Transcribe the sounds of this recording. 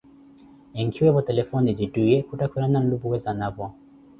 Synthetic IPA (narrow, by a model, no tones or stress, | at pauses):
ɛŋɡʰiwɛβɔtɛlɛfɔnididujɛkutakuɾanan̩lubuwɛzanaβɔ